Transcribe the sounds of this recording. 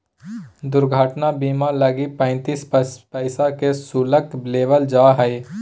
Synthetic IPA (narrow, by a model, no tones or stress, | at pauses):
d̪ʊɾɡʱaːʈnabiːmaləɡipə̃ːnt̪iːspɛɪsakesuːlək̚bleːʋəld͡ʒaːɦəi